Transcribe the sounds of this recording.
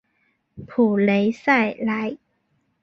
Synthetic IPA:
pʰuː˨˩le˨˧˥jsa˥˩˨jla˨˥j

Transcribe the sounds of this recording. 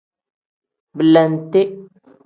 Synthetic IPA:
bə˨la˨n˨te˦

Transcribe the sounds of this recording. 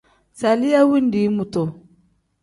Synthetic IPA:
sa˨li˦ja˦wi˦n˦di˨˦mu˨to˨

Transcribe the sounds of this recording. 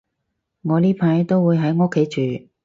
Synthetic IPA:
ŋɔː˨˧liː˥pʰaː˨˧jt̪o˥wuː˨˧jɦɐ˨˥jŋo˥kʰːe˨˥jt͡ʃyː˨˧

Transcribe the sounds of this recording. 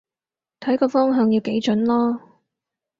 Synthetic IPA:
t̪ʰɐ˨˥jkɔː˧fɔː˥ŋɦœː˨˧ŋjiː˨˧wke˨˥jt͡ʃɵ˨˥nlɔː˥

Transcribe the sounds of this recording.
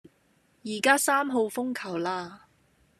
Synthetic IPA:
jiː˨˩kaː˥saː˥mɦo˧wfʊ˥ŋkʰɐ˨˩wlaː˧

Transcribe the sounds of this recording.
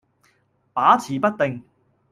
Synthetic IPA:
paː˨˥t͡sʰiː˨˩pɐ˥t̚t̪e˨ŋ

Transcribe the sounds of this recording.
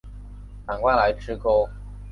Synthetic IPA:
ta˨˩nkwa˥˩la˧˥ɪʈ͡ʂʰɻ̩˥ko˥ʊ

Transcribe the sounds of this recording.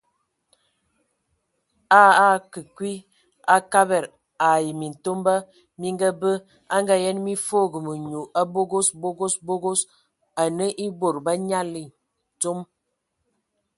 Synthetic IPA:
aː˦a˦kə˨kwi˦ | a˦ka˦bɛ˨ɾ | a˨ji˨mi˨n̩˨to˦mba˦ | mi˦ŋ˦ɡa˦bə˦ | a˦ŋɡa˦jɛ˦nmi˦fo˦˨ɡə˨mə˨ɲu˨ʔa˦bo˦ɡo˦sbo˦ɡo˦sbo˦ɡo˦s | a˨nə˦ʔi˦bo˨ɾba˦ɲa˦li˨ | to˦m

